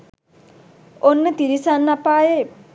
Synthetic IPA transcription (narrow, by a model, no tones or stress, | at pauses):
onːət̪iɾisanːapaːje